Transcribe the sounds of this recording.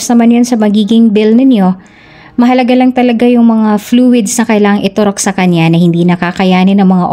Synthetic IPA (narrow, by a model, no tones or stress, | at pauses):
snɐmanjonsɐmɐɡiːɡɪŋbɪlnɪnjo̞ | mɐɦɐlɐɡalɐŋt̪ɐlɐɡajʊŋmɐŋafluːwɪd̪snɐkɐʔɪlaːŋɐŋʔɪt̪ʊɾok̚sɐkɐɲjanɐhɪnd̪iːnɐkakɐjaːnɪnɐŋmɐŋaʔ